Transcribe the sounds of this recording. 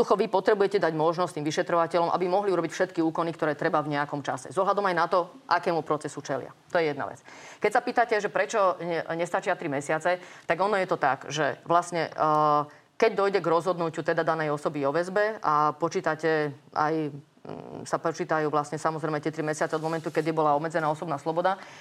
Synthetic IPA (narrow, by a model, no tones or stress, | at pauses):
d̪uxɔʋipɔt̪ɾɛbujɛcɛd̪aɟmɔʒnɔstt̪iːmʋiʃɛt̪ɾɔʋacɛlɔmʔa̰bimɔɦliuɾɔbicfʃɛt̪kiuːkɔnikt̪ɔɾɛːt̪ɾɛbavɲɛakɔmt͡ʃasɛ̰zɔɦlad̪ɔmajnat̪ɔ | ʔakɛːmupɾɔt͡sɛsut͡ʃɛlɪa̰t̪ɔjɛjɛd̪na̰ʋɛ̰t͡skɛc̚sapiːt̪acɛʒɛpɾɛt͡ʃɔɲɛst̪at͡ʃɪat̪ɾimɛsɪat͡sɛt̪aɡɔnɔjɛt̪ɔt̪aɡʒɛʋlasɲɛ | kɛɟ̚d̪ɔjɟɛɡɾɔzɦɔd̪nucut̪ɛd̪ad̪anɛjɔsɔbiɔʋɛzbɛapɔt͡ʃiːt̪acɛa̰j | sapɔt͡ʃiːt̪ajuːʋlasɲɛsamɔzɾɛjmɛt̪ɛt̪ɾimɛsɪat͡sɛɔd̪mɔmɛnt̪ukɛd̪jɛbɔlaɔbmɛd͡zɛnaːɔsɔbnaːslɔbɔd̪a